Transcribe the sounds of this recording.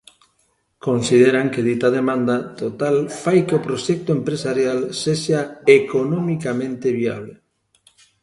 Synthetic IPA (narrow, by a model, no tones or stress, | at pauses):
konsið̞eɾaŋkeðit̪að̞emãnd̪at̪ot̪alfajkeopɾoʃɛk̚t̪ʊempɾesaɾjalseʃaekonomikamẽnt̪eβia̰β̞le